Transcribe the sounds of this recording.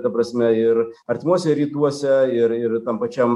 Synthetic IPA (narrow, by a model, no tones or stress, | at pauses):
t̪ɐpɾɐsʲmʲɛɪɾ | ɐɾʲt̪ʲɪmuɔsʲɛɾʲiːt̪uɔsʲɛɪɾɪɾt̪ɐmpɐt͡ʃʲɛm